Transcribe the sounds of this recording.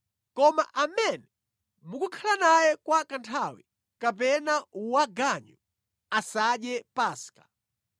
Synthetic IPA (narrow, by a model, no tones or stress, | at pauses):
kɔma̰ʔamɛnɛ | mukukʰalanajɛkwakantʰawḭ | kapɛnauwaɡaɲu | asaɗjɛpaːskḁ